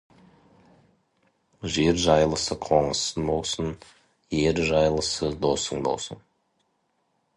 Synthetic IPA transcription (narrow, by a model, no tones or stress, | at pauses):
ʒe̞ɾʒɑjlˠəsəqʰo̞ɴəsənbo̞lˠsən | je̞ɾʒɑjlˠəsəd̪o̞səŋbo̞̰lˠsə̰n